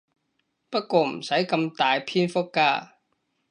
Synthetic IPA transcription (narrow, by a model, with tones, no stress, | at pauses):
pɐ˥t̚kɔː˧m̩˨˩sɐ˨˥jkɐ˧mt̪aː˨jpʰiː˥nfʊ˥kːaː˧